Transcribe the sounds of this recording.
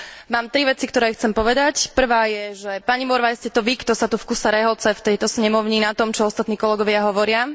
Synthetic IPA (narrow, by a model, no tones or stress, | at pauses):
maːmt̪ɾiʋɛt͡sikt̪ɔɾɛːxt͡sɛmpɔʋɛd̪acpr̩ʋaːjɛʒɛpaɲimɔɾʋaɛscɛt̪ɔʋikt̪ɔsat̪ufkusaɾɛɦɔt͡sɛft̪ɛjt̪ɔsɲɛmɔʊɲinat̪ɔmt͡ʃɔɔst̪at̪niːkɔlɛɡɔʋɪaɦɔʋɔɾɪa